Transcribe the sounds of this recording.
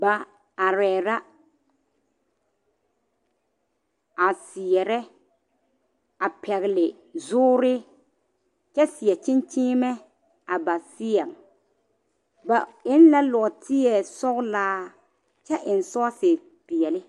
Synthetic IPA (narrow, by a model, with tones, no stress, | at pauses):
ba˨ | a˨ɾɛː˨ɾa˦ | a˨sɪ˨ɛ˨ɾɛ˦ | a˨pʰɛ˨ɣɪ˨lɪ˨ | zʊː˦ɾɪ˦ | t͡ʃɛ˦sɪ˨jɛ˨t͡ʃɪ˦nt͡ʃɪː˦mɛ˦ | a˨ba˨sɪ˦ɛ˨ŋ | ba˨ɪ˦n˦la˦lɔ˨ɡtʰɪ˦jɛ˨sɔ˦ɣlaː˦ | t͡ʃɛ˦ʔɪ˨n˨sɔ˦sɪ˨ | pi˨jɛ˨lɪ˦